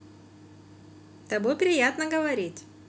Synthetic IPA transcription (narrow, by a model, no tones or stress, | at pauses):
t̪ɐbopɾʲɪjat̪nəɡəvɐɾʲitʲ